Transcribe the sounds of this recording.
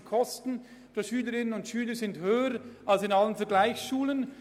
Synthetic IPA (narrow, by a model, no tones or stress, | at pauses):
kʰɔstn̩ | fɛʃyːləɾɪnənʊntʃyːləzɪndhøːəɾʔalsɪnalənfɛɐɡlaɪçsʃuːlən